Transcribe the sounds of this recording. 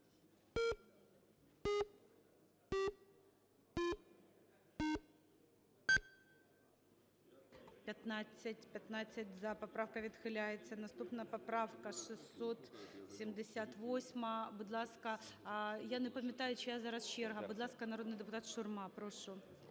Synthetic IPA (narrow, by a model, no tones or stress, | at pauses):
pʲɐt̪nat͡sʲːɐtʲpʲɐt̪nat͡sʲːɐtʲzɐpɐpɾafkɐʋʲid̪xɪlʲajɛt̪t͡ssʲɐnɐst̪upnɐpɐpɾafkɐʂɨsːot̪sʲɪmd̪ɪsʲat̪ʋosʲmɐbʊd̪lˠɑskɐ | janɛpɐmʲːɐt̪ajʊt͡ɕɪjazaɾɐst͡ʃːɛrɦɐbʊd̪lˠɑskɐnɐɾod̪nɨjd̪ɨpʊt̪at̪ʃʊrmɑpɾoʂʊ